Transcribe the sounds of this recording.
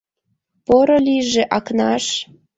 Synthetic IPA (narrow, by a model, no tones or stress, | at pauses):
poɾoliʒĕʔɑknɑʃ